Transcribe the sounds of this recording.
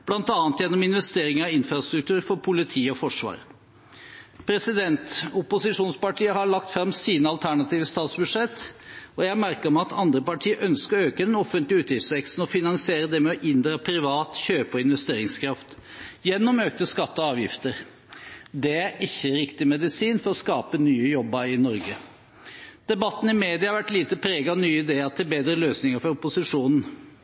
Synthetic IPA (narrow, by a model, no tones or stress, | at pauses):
b̥lɑnt̪ɑːnt̪jɛnːɔmɪnʋɛst̪eːɾɪŋəɑɪnfɾɑst̪ɾʉkt̪ʰʉːɾfɔɾpʰʊlɪt̪ʰiːɔfɔʂʋɑ̰ːɾ | pʰɾɛsɪd̪ɛnt̪ʊpʊsɪʂuːnspɑʈʰiːəɦɑɭɑk̚t̪fɾɑmsiːnəɑlt̪ʰæɳɑt̪ʰiːʋəst̪ɑːt̪sbʉd̪ʂɛt̪ːɔjæmæɾkəɾɔmɑt̪ʰɑnd̪ɾəpɑʈʰiːəʔœnskəɾøːkəd̪ɛnɔfːənt̪lɪʉːt̪jɪftsʋɛkst̪n̩ɔfɪnɑŋsɪeːɾəd̪ɛmɛɔʔɪnd̪ɾɑpʰɾɪʋɑːt̪çøːpəɔɪnʋɛst̪eːɾɪŋskʰɾɑft̪jɛnːɔmøːk̚t̪əskɑt̪ːɔɑːʋjɪft̪əɾ | d̪ɛæɾɪçːəɾɪkt̪ɪmɛd̪ɪsiːnfɔɾɔskɑːpənyːəjɔbːɑɪnɔɾɡə | d̪̥ɛbɑt̪ːn̩ɪmeːd̪ɪɑhɑɾʋæʈliːt̪əpʰɾeːɡɑʋnyːɪd̪eːɑt̪ʰɪlbeːd̪ɾəløːsnɪŋəɾfɔɾʊpʊsɪʂuːnn̩